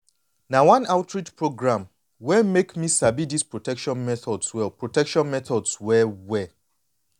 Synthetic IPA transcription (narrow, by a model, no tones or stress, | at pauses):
nawãnaʊtʰɹitpɹoɡɹãm | wɛmekmisabidispɹotɛkʃɔ̃nmɛθɔdswɛlpɹotɛkʃɔ̃nmɛθɔdswɛwɛ